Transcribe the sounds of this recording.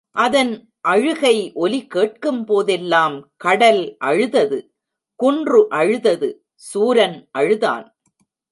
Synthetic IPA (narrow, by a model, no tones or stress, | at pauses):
ʔɐðɐn | ʔɐɻɯɣɐɪʔɔlɪkeːʈ̚kɯmpoːðɛlːaːmkɐɽɐlʔɐɻɯðɐðɯ | kʊndrɯʔɐɻɯðɐðɯ | suːɾɐnʔɐɻɯða̰ːn